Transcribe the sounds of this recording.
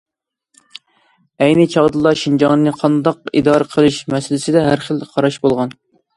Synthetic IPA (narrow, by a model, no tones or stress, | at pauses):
ɛjnɪt͡ʃʰɑʁd̪ɨlˠɑʃind͡ʒɑŋnnɨqʰɑnd̪ɑq̚ḭd̪ɑːɾəqʰəlˠɨʃmɛsɪlɪsɪd̪ɛɦæɾχəlˠqʰɑɾɑʃbolˠʁɑn